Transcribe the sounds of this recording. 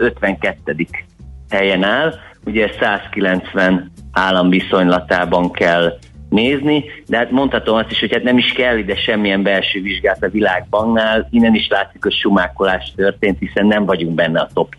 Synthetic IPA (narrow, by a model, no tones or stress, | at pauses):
ø̞t̪ʋɛŋkɛt̪ːɛd̪ik | hɛjɛnaːl | uɟɛsaːskilɛnt̪sʋɛnaːlːɒmviso̞ɲlɒt̪aːbɒŋkɛl | neːznid̪ɛɦaːt̪mo̞nt̪hɒt̪o̞mɒst̪iʃho̞chat̪nɛmiʃkɛlːid̪ɛʃɛmːijɛmbɛlʃøːviʒɡaːlt̪ɒvilaːɡ̚bɒŋnaːlinːɛniʃlaːt̪sikho̞cʃumaːkolaːʃt̪ørt̪eːnt̪hisɛnːɛɱvɒɟuŋɡbɛnːɛɒt̪o̞p